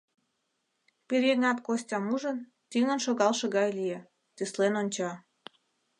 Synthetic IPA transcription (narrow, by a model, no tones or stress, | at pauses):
peɾʲeŋɑt̪kosʲtʲɑmuʒən | t̪yŋə̆nʃoɣɑlʃɤ̆ɣɑjlije | t̪yslenonʲt͡ɕɑ